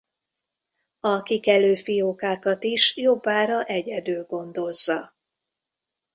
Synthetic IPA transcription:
ɒkikɛløːfijokaːkɒt̪iʃjo̞bːaːɾɒʔɛɟɛd̪yːlɡo̞nd̪o̞zːɒ

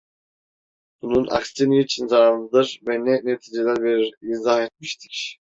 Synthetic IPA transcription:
bununʔa̰kst̪iniːt͡ʃʰinzanɯd̪ɯɾvɛnɛnet̪ʰiːd͡ʒelʲæɾbiɾinzahet̪̚miʃt̪ʰi̥cʲ

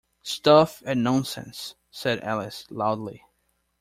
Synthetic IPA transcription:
stʌfɨ̃nnɑ̃ʊ̃nsɛ̰̃nsː | ɛɾæ̰lˠɨslaʊdˡli

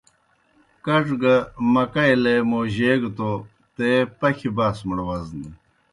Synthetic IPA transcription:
kɐʈ͡ʂɡɐmɐkɐjlemoːʑeːɡt̪o | t̪epɐkʰibaːsməɽwɐzni

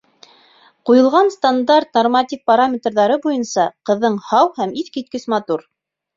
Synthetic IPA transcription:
qujɤ̆lˠʁɑnst̪and̪ɑrt̪nɐrmat̪ʲik̚paɾamʲet̪rðɑɾɤbujɤnsɑqɤ̆ðːɤɴhɑwhæmiθkit̪̚kɘsmɑt̪uɾ

